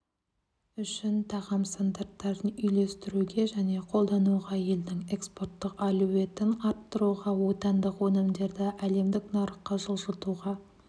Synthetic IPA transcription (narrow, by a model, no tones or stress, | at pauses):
ʏʃɪnt̪ʰɑʁɑmst̪and̪ɑɾt̪ːɑɾd̪ənʏjle̞st̪ɪɾuɡʲe̞ʒæne̞qʰo̞lˠd̪ɑnuʁɑje̞ld̪ɪŋe̞kspo̞rt̪ːəqɑluwe̞t̪ɪnɑɾt̪ːəɾuʁɑwo̞t̪ɑnd̪əqwonəmd̪e̞ɾd̪ɪʔæle̞md̪ɪknɑɾəqːɑʒəlˠʒəlˠt̪uʁɑ